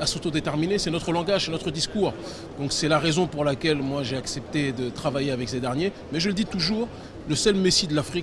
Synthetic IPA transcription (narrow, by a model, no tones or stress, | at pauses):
asot̪od̪et̪ɛʁminesɛnɔt̪χəlɑ̃ɡaʒsɛnɔt̪χəd̪iskuːʁ | d̪̥ɔ̃ksɛlaʁezɔ̃puʁlakʲɛlmwaʒeaksɛpt̪ed̪ət̪χavajeavɛksed̪ɛʁnje | mɛʒələd̪it̪uʒuːʁ | ləsœlmesid̪əlafχik